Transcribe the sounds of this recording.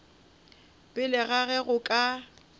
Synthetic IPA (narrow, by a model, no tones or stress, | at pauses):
bɪlɪɣaɣɛɣʊkʼa